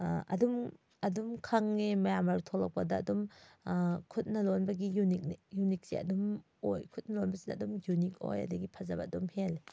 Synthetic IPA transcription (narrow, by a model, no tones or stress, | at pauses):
ʔɐ̰dum | ɐdumkʰaŋnemɐjamɐɾtʰolɐk̚pɐdɐ̰ːdum | kʰut̚nɐlonbɐɡijunik̚nijunik̚siɐ̰dum | ojkʰut̚nɐlonbɐsidɐɐdumjunik̚o̰jɐ̰dɐɡipʰɐzabɐɐdumhel